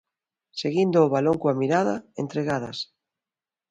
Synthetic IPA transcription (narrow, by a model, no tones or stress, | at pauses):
seɣind̪oːβaloŋkoamiɾaðaent̪ɾeɣaða̰s